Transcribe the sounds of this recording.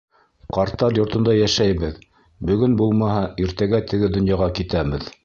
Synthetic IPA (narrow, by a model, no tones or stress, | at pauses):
qɑɾt̪ːɑɾjŏɾt̪ɤ̆nd̪ɑjæʃæjβɘð | bɵ̆ɡɵnbulˠmɑɦɑiɾt̪æɡæt̪ɘ̆ɡɘd̪ŏnjɑʁɑkit̪æβɘð